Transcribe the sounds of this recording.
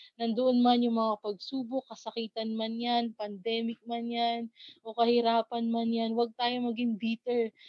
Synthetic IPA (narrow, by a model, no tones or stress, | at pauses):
nɐnd̪oʔonmanjʊŋmɐŋapɐɡ̚suːbokːɐsɐkiːt̪ɐnmanjanpɐnd̪ɛːmɪk̚manjanʔo̞kɐhɪɾaːpɐnmanjanwaɡ̚t̪aːjo̞mɐɡɪŋbiːt̪ɛɹ